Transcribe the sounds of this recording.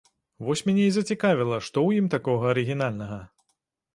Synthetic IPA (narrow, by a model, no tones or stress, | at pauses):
vɔsʲmʲanʲeizɐt͡sʲikavʲilˠɐʂt̪ɔwjimt̪akɔɣɐːɾɨɣʲin̪alʲnɐɣɐ